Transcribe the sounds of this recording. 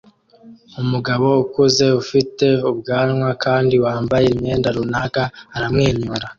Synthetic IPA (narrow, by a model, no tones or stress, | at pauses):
umuɡaβo̞ukuze̞ufite̞ub̚ɡaːnŋwakaːndiwaːmbajemɲe̞ːndaɾunaɡaːɾamŋeːɲuɾa